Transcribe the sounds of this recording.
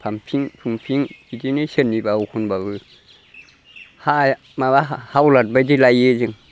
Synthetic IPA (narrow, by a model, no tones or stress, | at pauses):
pʰamfʰiŋpʰumfʰiŋkidinisenːibauhunbabɨ | hajamabahawlat̚badilajed͡ʒiŋ